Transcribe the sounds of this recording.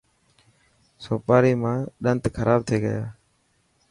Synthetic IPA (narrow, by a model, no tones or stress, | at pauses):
soːpaːɾiːmãːɗənt̪kʰəɾʔaːb̚t̪ʰeːɡə̰jaː